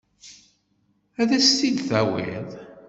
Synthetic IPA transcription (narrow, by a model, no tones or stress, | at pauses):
æðæst̪ilθæwḭðˤ